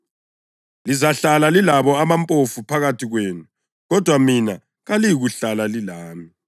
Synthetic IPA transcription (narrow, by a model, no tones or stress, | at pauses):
lizaɬalalilaβɔamampʼofupʰaɣatʰiɣweːnu | ɣɔd̥ʱwamina | ɣalijiɣuɬalalilaːmi